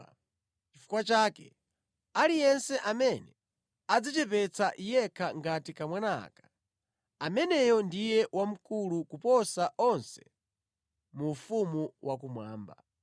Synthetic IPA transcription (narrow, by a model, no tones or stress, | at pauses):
t͡ʃifu̥kwat͡ʃaːkɛ | alijɛnsɛʔamɛnɛ | ad͡zat͡ʃɛpɛt͡saʔijɛkʰaŋɡatikamwana̰kḁ | amɛnɛjɔndijɛwam̩kulukupɔsaʔɔnsɛ̥ | mufumuwʔak̬umwa̰ːmba̰